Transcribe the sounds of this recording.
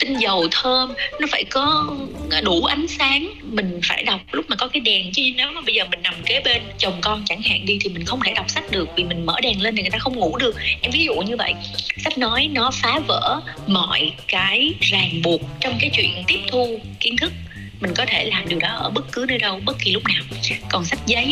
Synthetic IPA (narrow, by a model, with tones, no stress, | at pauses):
t̪ï˧ŋzə˨˩wt̪ʰəː˧mnɔ˨˦faː˧˩jkɔ˨˦˧ɗu˧˩ʔa˨˦jŋ̟saː˨˦ŋmï˨˩ŋ̟faː˧˩jɗa˨˩wk͡p̚lʊ˦˥k͡p̚maː˨˩kɔ˨˦kaː˨˦jɗɛ˨˩ŋt͡ɕi˧˦ne˨˦wma˨˩ɓə˧jzəː˨˩mï˨˩ŋ̟na˨˩mke˨˦ɓe˧nt͡ɕə˨˩wŋ͡mkɔ˧nt͡ɕa˧˩ŋha̰ː˧˨ŋɗi˧t̪ʰi˨˩mï˨˩ŋ̟xə˧wŋ͡mt̪e˧˩ɗa˨˩wk͡p̚sa˦˥k̟̚ɗɨ˨˩ək̚vi˨˩mï˨˩ŋ̟mə̰ː˧˩ɗɛ˨˩ŋle˧nt̪i˨˩ŋ˨˩jt̪aː˧xə˧wŋ͡mŋṵ˧˩ɗɨ˨˩ək̚ʔɛ˧mvi˨˦zṵ˧˨ɲɨ˧və̰˧˨jsa˦˥k̚nɔ˨˦jnɔ˨˦faː˨˦və̰ː˧˩˥mɔ̰˧˨jkaː˨˦jzaː˨˩ŋɓu˨˩ək̚t͡ɕɔ˧wŋ͡mkaː˨˦jt͡ɕwḭ˧˨ənt̪i˦˥əp̚t̪ʰu˧ | ki˨˦ənt̪ʰɨ˦˥k̚ | mï˨˩ŋ̟kɔ˨˦t̪ʰe˧˩laː˨˩mɗi˨˩əwɗɔ˨˦ʔəː˧˩ɓə˦˥t̚kɨ˨˦ɗɨ˧ɗə˧wɓə˦˥t̚ki˨˩lʊ˦˥k͡p̚naː˨˩wkɔ˨˩nsa˦˥k̚zə˨˦j